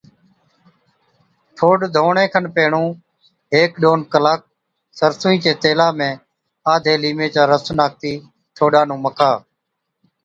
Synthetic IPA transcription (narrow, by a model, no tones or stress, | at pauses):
ʈʰoːɖd̪ʱoːɳẽːkʰənpeːɳũː | ɦeːkɗoːnkəlaːk̚ | səɾsũːĩːt͡ʃeːt̪eːlaːmẽː | aːd̪ʱeːliːmẽːt͡ʃaːɾəsnaːk̚t̪iː | ʈʰoːɗãːnũːməkʰaː